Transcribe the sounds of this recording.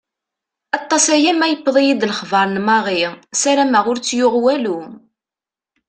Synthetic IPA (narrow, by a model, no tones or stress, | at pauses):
ɑt̪ˤːɑsæjæmæjəpːðˤijid̪ləχvɑɾˤnmɑʁisæɾæmæʁʊɾt͡sːjʊʁwælu